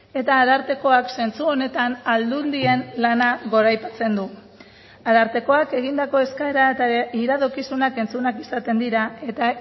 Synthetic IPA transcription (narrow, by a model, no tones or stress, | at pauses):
e̞t̪aːðaɾt̪e̞ko̞akse̞nt͡suo̞ne̞t̪anald̪und̪ie̞nlanaɣo̞ɾajpat͡se̞nd̪u | aðaɾt̪e̞ko̞ake̞ɣind̪ako̞e̞skaeɾat̪iɾaðo̞kisunake̞nt͡sunakisat̪e̞nd̪iɾae̞t̪a